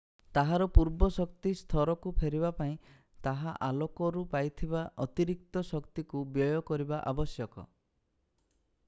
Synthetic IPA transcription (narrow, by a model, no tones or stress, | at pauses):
t̪aɦaɾɔpuɾbɔsɔk̚t̪ist̪ʰɔɾɔkupʰeɾiβapaĩ | t̪aɦaʔalɔkɔɾupajt̪ʰibaʔɔt̪iɾik̚t̪ɔsɔkt̪ikubjɔjɔkɔɾibaʔabɔsjɔkɔ̰